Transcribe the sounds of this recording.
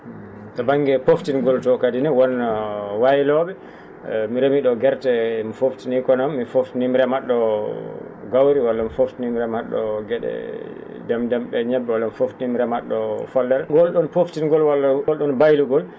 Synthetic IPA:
tabaŋːɡɛpoftinɡɔltɔkadinɛwɔnːawajilɔːɓɛ | miɾɛmiɗɔɡɛɾtɛmifoftinikɔnamːifoftinimɾɛmaɗːɔ | ɡawɾiwalːamifoftinimɾɛmaɗːɔ̰ɡɛɗɛ̰ | dɛmdɛmɓɛɲɛbːɛwalːamifoftinimɾɛmaɗːɔfɔldɛɾɡɔlɗɔnpoftinɡɔlwalɔlɗɔnbajluɡɔl

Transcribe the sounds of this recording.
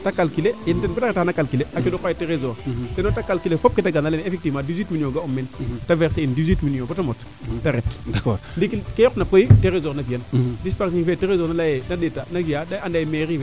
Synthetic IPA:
takalkilejintenbotaetanakalkileakidokajeteɾezoɾtenotakalkilefop̚kitaɡanalenefek̚tivmãːdizwitminioɡaumːentaveɾseindizwitminiobotamot | tːaɾetdakɔɾdikikejɔknapoiteɾezoɾnakijandispaɾsiŋfeːteɾezonalajenadetanakijadaandajemeɾi

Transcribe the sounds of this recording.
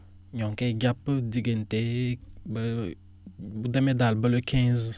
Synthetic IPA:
ɲɔ̃ŋkeɡapdiɡenteb | budɛmedalbəlokʰɛ̃z

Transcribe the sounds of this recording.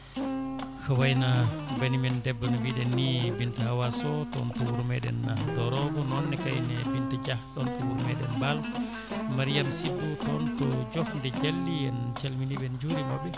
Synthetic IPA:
xɐwajnabanimɛndɛbːɐnabiɗɛnːibintahawasɔtɔ̰ntɔwuɾmɛɗɛ̰nadɔɾɔbɔnɔnːɛkajnɛbintət͡ʃahɗɔntɔwuɾmɛɗɛnbal | maɾijamsidːutɔntɔd͡ʒɔfndɛd͡ʒalːijɛnt͡ʃalminibɛnd͡ʒuɾimobi

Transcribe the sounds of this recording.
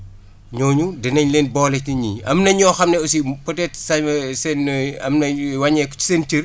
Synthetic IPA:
ɲɔːɲudɛnɐɲleːnbɔlɛcniɲiɐmnɐɲɔːxɐmnɛɔsipɔtɛtsɐɐsɛnɐmnɐwɐɲɛkɔ̥t͡ʃi̥seːnt͡ʃir

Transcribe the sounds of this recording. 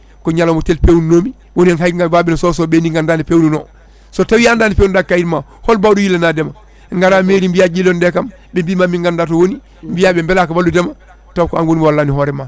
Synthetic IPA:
koɲalomotelpewunːoːmi | wonieŋɦaiŋɡababinososobeniŋɡandaːnipeununo | sotawijandaːnipeːwundakːajitma | holbawdujilːenadema | ŋɡaɾameːɾimbijad͡ʒilːondekam | bembimamiŋɡandat̬owoni | mbijabembelaːkabalːdudema | tawkoanwonimwalːaːniɦoɾema

